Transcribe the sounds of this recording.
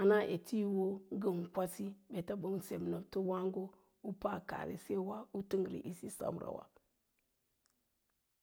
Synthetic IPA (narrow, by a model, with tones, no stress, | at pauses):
a˨na˦ʔe˨tʰi˦wo˦ɡə˦m˨kʷa˦si˦be˨ta˦bo˦mse˨m˨no˨bto˦wa˦ŋɡo˦ | u˦pa˦ka̰˨ɾḛ˨se˦wa˦u˦ti˦ŋ˨ɾḭ˨ʔi˦si˦sa̰˨m˨ɾa̰˨wa̰˨